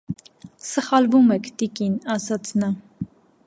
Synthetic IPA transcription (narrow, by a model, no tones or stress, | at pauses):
səχɑlvumɛkʰt̪ikinɑsɑt͡sʰnɑ